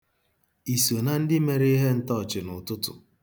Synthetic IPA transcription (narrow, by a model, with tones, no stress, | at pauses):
i˨so˨na˦n̩˦dɪ˦me˨ɾe˦ɦe˦n̩˦tɔ˦˨t͡ʃɪ˨nʊ˨tʊ˦tʊ̰˨